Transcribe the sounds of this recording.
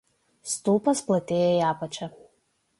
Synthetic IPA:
st̪uːpɐsplˠɐt̪ʲeːjɛjæːpɐt͡ʃʲɛ

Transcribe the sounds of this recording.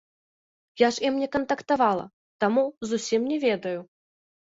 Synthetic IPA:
jaʂimnʲɛkɐnt̪ɐkt̪avalˠɐ̰ | t̪amuzusʲimnʲɛvʲɛd̪ɐju

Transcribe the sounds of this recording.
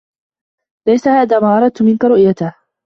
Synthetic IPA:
lajsahaːðaːmaːʔɑɾˤɑd̪̚t̪ʊmɪnkaɾʊʔjat̪ɪh

